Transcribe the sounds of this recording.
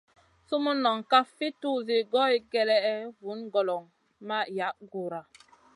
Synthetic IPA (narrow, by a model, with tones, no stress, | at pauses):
su˦mu˦nɔ˨ŋka˦fi˦tu˦zi˨ɡɔ˦jɡɛ˦lɛ˦ɛ˦vu˨˦nɡɔ˨lɔ˨ŋ | ma˦ja˨˦ʔɡu˨ɾa˨